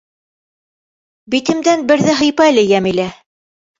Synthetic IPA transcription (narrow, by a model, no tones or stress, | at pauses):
bit̪ɘ̆md̪ænbɘ̆ɾðɘɦɤ̆jpɑlɘjæmilæ